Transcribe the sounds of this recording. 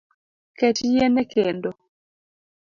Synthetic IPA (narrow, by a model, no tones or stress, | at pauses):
kɛtijɛnɛkendo